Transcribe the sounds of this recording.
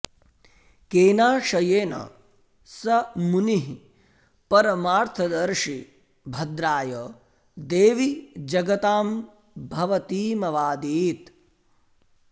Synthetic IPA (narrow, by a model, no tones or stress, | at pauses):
keːnaːʃɐjeːnɐ̰ | sɐmuniɦi | pɐɾɐmaːɾt̪ʰɐd̪ɐɾʃi | bʱɐd̪ɾaːjɐ | d̪eːʋid͡ʒɐɡɐt̪aːm | bʱɐʋɐt̪iːmɐʋaːd̪iːt̪